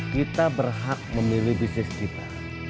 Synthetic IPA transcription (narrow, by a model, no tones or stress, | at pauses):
kit̪abərɦak̚məmilɪhbisnɪskit̪a